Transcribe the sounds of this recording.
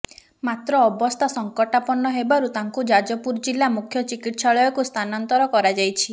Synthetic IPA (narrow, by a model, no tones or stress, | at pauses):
mat̪ɾɔːbɔst̪ʰasɔŋkɔʈapɔnɔɦebaɾut̪aŋkud͡ʒad͡ʒɔpuɾd͡ʒilːamukʰjɔt͡ʃikiʈsaɭɔjɔkust̪ʰanɔnt̪ɔɾɔkɔɾad͡ʒajt͡ʃʰi